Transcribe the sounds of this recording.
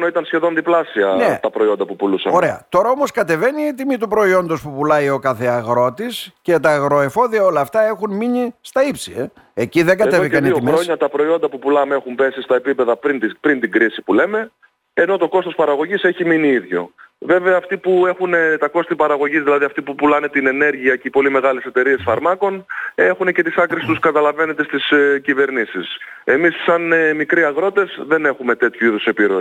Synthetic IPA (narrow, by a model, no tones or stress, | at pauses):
noit̪ɐnsçe̞ðo̞nðiplɐsiɐnet̪ɐpɾo̞io̞nd̪ɐpupulusɐ̰oɾe̞ɐ̰t̪o̞ɾɐo̞mo̞skɐt̪e̞ve̞niːt̪imit̪̬upɾo̞io̞nd̪o̞spupulɐio̞kɐθe̞ɐɣɾo̞t̪isce̞t̪ɐːɣɾo̞e̞fo̞ðiɐo̞lɐːft̪ɐe̞xunminist̪ɐipsie | eciðe̞ŋɡɐt̪eviɐniimɾoɲɐt̪ɐpɾo̞io̞nd̪ɐpupulɐmexumpe̞sist̪ɐepipe̞ðɐpɾint̪ipɾint̪iŋɡɾisipule̞me̞ː | no̞t̪o̞ko̞st̪ospɐɾɐɣo̞ʝise̞çiminiiðʝo̞̰ve̞veɐːft̪ipue̞xune̞t̪ɐko̞st̪ipɐɾɐɣo̞ʝizðilɐðiɐft̪ipupulɐne̞t̪ine̞ne̞ɾʝiɐceipo̞lime̞ɣɐle̞se̞t̪e̞ɾie̞sfɐɾmɐko̞ne̞xunece̞t̪isɐkɾisi̥t̪uskɐt̪ɐlɐve̞ne̞t̪est̪iscive̞ɾnisise̞misːɐnmikɾiɐɣɾo̞t̪e̞zðe̞ne̞xume̞t̪e̞t̪çuiðusepiɾoi